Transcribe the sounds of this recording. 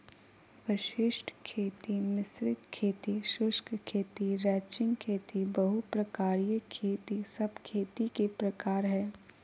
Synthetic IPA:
ʋɪʃɪʃʈʰkʰeːt̪inɪsɾɪt̪kʰeːt̪iʃʊʃkkʰeːt̪iɾɛːt͡ʃɪ̃ŋɡkʰeːt̪ibɐɦupɾɐkaːɾijəkʰeːt̪isɐbkʰeːt̪ikepɾɐkaːɾɦɛː

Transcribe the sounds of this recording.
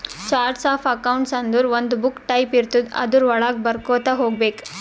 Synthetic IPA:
t͡ʃaːɾʈsaːpʰɐkɐwɳʈsɐnd̪uɾʋond̪ubukʈɐjpiɾt̪ud̪ɐ̰d̪uɾʋɐɭaːɡ̚bɐɾkoːt̪ɐɦoːɡbeːk

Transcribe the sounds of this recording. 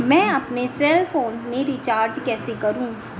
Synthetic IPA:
mɛ̃ːɐpnesɛːlfoːnzmẽɾit͡ʃaːɾd͡ʒkɛːsekɐɾũː

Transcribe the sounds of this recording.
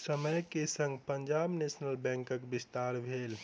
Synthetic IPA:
səməjkesə̃ŋɡpəɲd͡ʒabnesnəlbɛ̃ŋkəkbist̪aɾbʱel

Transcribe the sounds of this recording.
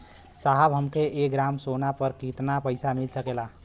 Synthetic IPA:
saɦəbɦəmkeʔeɡɾamsonapəɾkit̪napəjsamilsəkela

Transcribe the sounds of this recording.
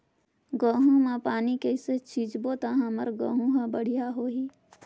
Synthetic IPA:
ɡə̃ːɦũmãpaːnikeɪset͡ʃʰiːd͡ʒbot̪aɦãməɾɡə̃ːɦũɦãbəɽ̤ijaɦoːɦi

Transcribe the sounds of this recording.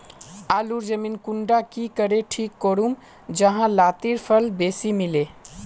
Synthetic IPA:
aluɾd͡ʒəminkuɳɖakikəɾeʈʰikːoɾum | d͡ʒəɦãlat̪iɾpʰəlbesimile

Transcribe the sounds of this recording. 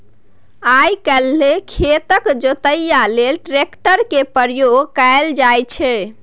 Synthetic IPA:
ajkɛlːekʰet̪əkd͡ʒot̪əjːalelʈɾekʈəɾkepəɾjoɡkaeld͡ʒajt͡ʃʰɛ

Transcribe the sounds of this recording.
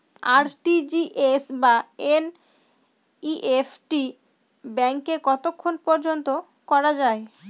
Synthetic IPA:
aɾʈid͡ʑiʔesbaen | iʔefʈi | bɛŋkekɔt̪okʰːonpɔɾd͡ʑont̪o | kɔɾad͡ʑae

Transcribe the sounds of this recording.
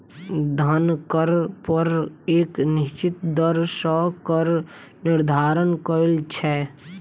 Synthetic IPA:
d̪ʱɐnkəɾpəɾeːknɪʃt͡ʃɪt̪d̪əɾsɔːkəɾ | nɪɾd̪ʱaːɾənkəɾelt͡ʃʰɛː

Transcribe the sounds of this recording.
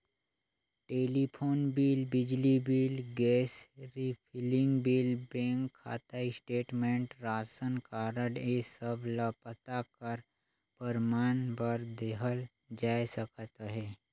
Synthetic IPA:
ʈeːlipʰoːnbiːlbɪd͡ʒlibiːlɡɛːsɾipʰɪlɪ̃ŋɡbiːlbẽːŋkʰːa̰ːt̪aisʈeːʈmẽɳʈɾaːsənkaːɾəɽesəbləpət̪akəɾ | pəɾmaːnbəɾd̪eːɦəl | d͡ʒaːjsəkt̪ɦɛː

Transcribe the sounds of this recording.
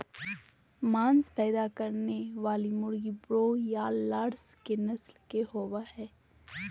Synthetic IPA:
maːnspɛːjd̪akɐɾneʋaːlimʊɽɡibɾoːjalaːɾskenɐslkehoːʋahɛː

